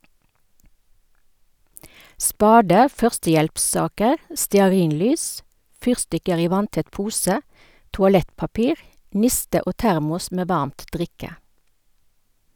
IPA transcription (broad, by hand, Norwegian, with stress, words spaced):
ˈspɑːdə ˈfœʁstəˌjɛlpˌsɑːkəʁ stɛɑˈʁiːnˌlyːs ˈfyːʁstɪkəʁ ˈiː ˈʋɑntɛt ˈpuːsə tʊɑˈlɛtpɑˌpiːʁ ˈnɪstə ˈoː ˈtæʁmʊs ˈmeː ˈʋɑʁmt ˈdʁɪkə